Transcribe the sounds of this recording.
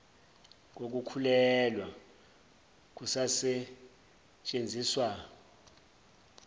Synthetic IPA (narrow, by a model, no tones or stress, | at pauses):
k̬ok̬ʼukʰulɛlwa | k̬ʼusasɛ | t͡ʃʼend͡zʱiːswa